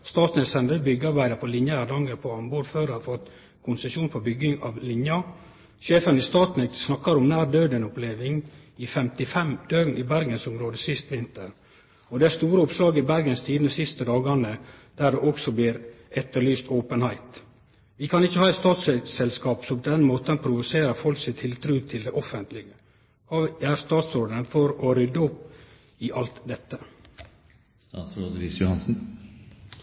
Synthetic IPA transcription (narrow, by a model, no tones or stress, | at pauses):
st̪ɑːt̪nɛsɛnd̪əbʏɡːəɑɾbæɪd̪əpʰɔlɪnjəæɾd̪ɑŋɡəɾpʰɔɑmboːɾføːɾɑfɔt̪ | kʰʊnsəʃuːnpʰɔbʏɡɪŋɑʋlɪnjɑ | ʃeːfənɪst̪ɑːt̪nɛksnɑkːɑɾɔmnæːɾɖ̪øːd̪ɛnʊpleːʋɪŋ | ɪfɛmt̪ɪfɛmd̪̥øːɡnɪbæɾɡənsʊmɾoːd̪əsɪst̪ʋɪnt̪əɾ | ɔd̪ɛæst̪uːɾəʊpslɑːɡɪbæɾɡənst̪ʰiːd̪ənəsɪst̪əd̪ɑːɡɑnəd̪̥æɖɛʔɔksɔbliɾɛt̪ːəɭyːst̪ʰoːpənhæɪt̪ | ʋɪkʰɑnɪçːəhɑːɛt̪st̪ɑːt̪sɛsɛlskɑːpsɔpʰɔd̪ɛnːmoːt̪ənpʰɾʊʋʊseːɾəfɔlksɪt̪t̪ʰɪlt̪ʰɾʉːt̪ʰɪld̪ɛʔɔfənt̪lɪɡə | kʰɑːæɾst̪ɑːt̪sɾoːd̪ənfɔɾɔɾʏd̪uːp | ɪʔɑlt̪d̪ɛt̪ːə | st̪ɑ̰ːt̪sɾoːd̪ɾɪsjʊhɑnsn̩